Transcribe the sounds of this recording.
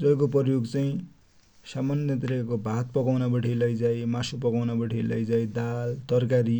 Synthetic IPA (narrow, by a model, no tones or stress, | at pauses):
d͡zʌjkopʌrjoɡt͡saĩ | samʌnjʌt̪ɾeakobʱat̪̚pʌkawnabʌʈʰilʌjd͡zajmasupʌkawnabʌʈʰilʌjd͡zajd̪alt̪ʌrkaɾi